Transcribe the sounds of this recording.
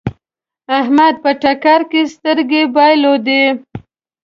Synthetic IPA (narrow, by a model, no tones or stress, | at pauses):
aɦmad̪̚pəʈakɑɾkest̪əɾɡebɑjlod̪e